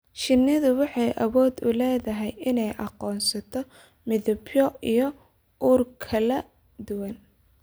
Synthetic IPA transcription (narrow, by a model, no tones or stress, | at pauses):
ʃɪnːɪðʊwɑħɑjʔɐβɔːd̪ʊlɛːðɐɦɛjɪnɛjʔɑqɔːnsɐt̪ʰɔ | mɪðʊbjɔijɔ | uːrkʰɐlɐ | d̪ʊwɐn